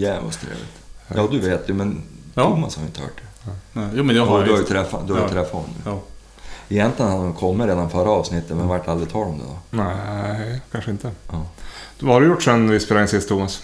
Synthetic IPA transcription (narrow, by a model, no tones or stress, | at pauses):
jɛa̰st̪ʰɾḛːvlɪ̰t̪jɑːd̪ɵveːt̪ʰjʉmɛnt̪ʰuːmashaɾjʏ̰nt̪əhœ̰ːʈ̚d̪ɛː | mːd̪ʉhaɾjt̪ʰɾɛfːad̪ɵhaɾjat̪ʰɾɛfːat̪ɔ̰mʉ̰ | ɛjɛnt̪lɪɡənhad̪ɔmkʰɔmːəɾeːd̪anfœɾːaɑːvsnɪt̪ːət̪mɛnvaʈːald̪ɾɪɡt̪ʰɑːlɔmd̪ɛ̰d̪ɔ̰næ | kʰanʂəɪnt̪əɑvahaɖɵjʊʈːʂɛnvɪspɛɾɛŋsɪst̪ʰuːmas